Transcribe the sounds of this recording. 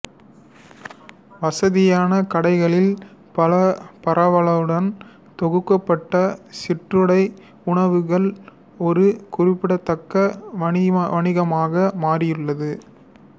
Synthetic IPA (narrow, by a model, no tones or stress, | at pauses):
ʋɐsɐðɪjaːnɐkɐɽɐɪɣɐɭɪlpɐlɐpɐɾʔɐʋɐɭɐʋɯɽɐn | t̪ɔɣɯkːɐpːɐʈːɐsɪʈrɯɽɐɪ | ʊɳɐʋɯɣɐɭ | ɔɾɯkʊrɪpːɪɽɐt̪ːɐkːɐɐʋɐɳɪɣɐmaːɣɐmaːrɪjɯɭːɐðɯ